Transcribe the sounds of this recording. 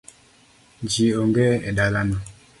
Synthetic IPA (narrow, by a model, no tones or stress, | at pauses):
d͡ʒioŋɡɛedalana